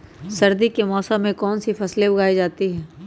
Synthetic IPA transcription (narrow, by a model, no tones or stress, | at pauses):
sɐɾd̪ikemɔːsə̃mːẽkɔːnsifʰɐslebʊɡʱaːid͡ʒaːt̪iɦɛː